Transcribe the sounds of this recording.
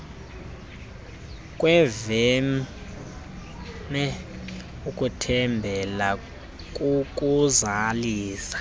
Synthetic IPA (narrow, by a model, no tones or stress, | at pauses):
kʼwɛvɛ | mɛ | ukʼutʰɛmbʱɛla | kʼukʼuzaliːsḁ